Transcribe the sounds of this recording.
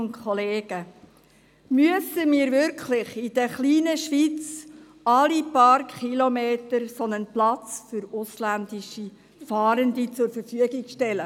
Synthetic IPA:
nkʰɔleːɡ̥ə | myəsəmiːɾvʏɾkʰlɪχid̥̪ɛχliːnəʃʋiːt͡s | ɑlipɑɾkχilomeːtəɾsɔnənplɑt͡sfʏɾʊslænd̪iʃi | fɑːɾəndit͡sʊɾfəɾfyəɡikʃtɛlə

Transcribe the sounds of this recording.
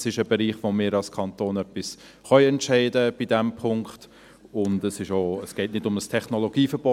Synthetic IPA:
sɪʃəbɛɾiːχʋomɪːɾɑlskʰɑntoːnœpːɪs | χœʏɛntʃæɪdəb̥idɛmpʰʊŋkχt | ʊndəsɪʃoːəsɡ̥ɛɪtnɪdʊməstʰɛχnɔloɡ̥iːfəɾb̥ɔ

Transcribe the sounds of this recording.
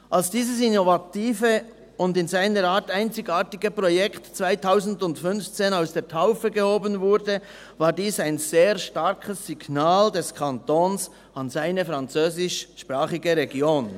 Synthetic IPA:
ʔalsd̥iːzəs̬inovatiːfə | ʊndɪnzaɪnəɾaːtaɪnt͡sɪɡaːɾtɪɡəpʁɔjɛktt͡svaɪtʰaʊzn̩dʊntfʏnft͡seːnaʊsd̥eːɐtʰaʊfəɡəhoːbənvʊɾdə | vaːɾdiːsaɪnz̥eːɾʃtaɾkʰəsːiɡnaːldɛskʰantoːns | anzaɪnəfʁant͡søːzɪʃʃpʁaːχɪɡəʁeɡjoːn

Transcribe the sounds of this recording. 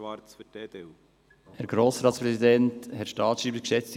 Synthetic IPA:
ʋɑɾt͡sfyd̥eːd̪eu | hæːɾɡɾoːsɾɑːtspɾɛsidɛnthɛtʃtɑːtʃiːbəkʃɛt͡st̪

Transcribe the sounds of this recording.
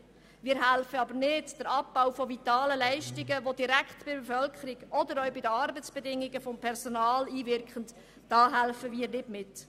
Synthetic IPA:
mɪːɾɦælfəɑbəɾnɪdd̥əɾɑp̚b̥aʊfɔvit̪ɑːləlæɪʃtɪɡəvodiɾækχtb̥ɪbɛfœlkəɾɪɡʔɔdəɾœʊbɪdəɑɾbət͡sb̥ɛdɪŋːɪɡəfɔmpʰɛrsonɑːliːvɪrkχənd | d̥ɑːɦælfəviːɾnɪdmɪt

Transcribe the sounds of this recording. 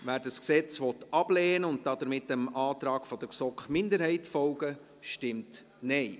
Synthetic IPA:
ʋæːɾdɑsksɛt͡sʋɔtɑb̥lɛːnəʊnt̚dɑd̪əɾmɪtːəmɑːt̪ɾɑːɡ̥fɔd̥əsɔkχmɪndəɾhɛɪtfɔlɡə | ʃtɪmt | nɛɪ

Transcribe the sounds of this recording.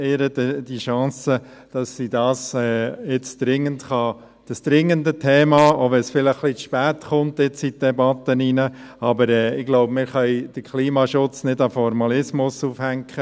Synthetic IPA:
eːɾədəd̥iʃɑ̃ːsəd̥ɑsːidɑːsɛːɪt͡sd̥ɾɪŋːəntχɑ | d̥ɑsd̥̪ɾɪŋːəndətʰɛːmɑoʋɛsfɪləχχlit͡sʃpæːtχʊnt̪ɪt͡sid̥ɛbɑt̪əninə | ɑbəɾɛːɪɡlɔʊbmɪɾχœɪd̥əɾkʰliːmɑʃʊt͡snɪdɑfɔɾmɑlɪsmʊsuːfhæŋkʰχə

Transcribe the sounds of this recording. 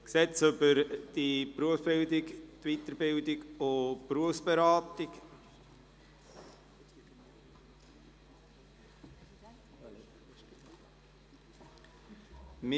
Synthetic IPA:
ksɛt͡sʏbəɾd̥ipɾuəfb̥ɪldɪkt̪vit̪əɾbɪldɪɡʊpɾuəfsb̥eɾɑːtɪk | mɪ

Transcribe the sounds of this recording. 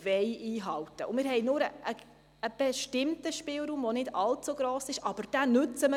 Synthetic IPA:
vɛɪʔiːɦɑltəʊmɪːɾɦɛɪnʊːɾəʔə | əb̥ɛʃtɪmtəʃpɪːlɾuːmvonɪdɑlt͡suɡɾoːsɪʃʔɑb̥əɾd̥ænʏt͡səmə

